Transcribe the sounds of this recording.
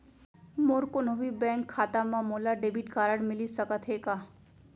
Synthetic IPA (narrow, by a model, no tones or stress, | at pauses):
moɾkonobibɛ̃ːŋkʰːaːt̪amãmoːlaɖeːbiʈkaːɾəɽmɪlisɐkət̪ʰɦeːɡaː